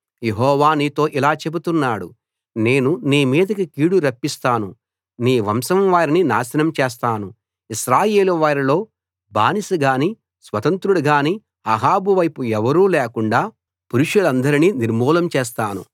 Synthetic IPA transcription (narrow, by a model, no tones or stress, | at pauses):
jeɦɔːʋaːniːt̪o̞ːʔilaːt͡ʃe̞but̪unːaːɽṵ | ne̞ːnuniːmiːd̪ɐkikiːɽuɾɐpːist̪aːnu | niːʋɐmsɐmʋaːɾininaːsɐnɐmt͡ʃeːs̬t̪aːnu | iʃɾaːje̞ːluʋaːɾilo̞ː | ba̰ːnisuɡaːniː | sʋɐt̪ɐnt̪ɾuɽɐɡaːni | ɐɦaːbuʋɐjpuɛʋɐɾuːleːkuɳɖaː | puɾuʂulɐnd̪ɐɾininiɾmuːlɐmt͡ʃeːs̬t̪aːnṵ